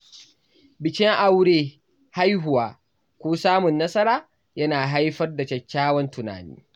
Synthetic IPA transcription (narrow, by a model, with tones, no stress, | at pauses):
bɪ˨t͡ʃʲɪ˦ŋʔa˨wɽeː˦ | ha˦jɦʊ˨waː˨ | kʷoː˦saː˦mʊ˨nːɐ˦sɐ˦ɾaː˨ | jɐ˦naː˨ɦa˦jɸɐ˦rda˨t͡ʃɐ˨kʲːaː˦wɐ˦ntʊ˨na̰ː˨nḭː˦